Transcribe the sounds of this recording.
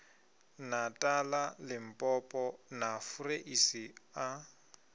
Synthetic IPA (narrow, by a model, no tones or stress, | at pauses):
natʼalalɪm̩pʼɔpʼɔnafureʔisia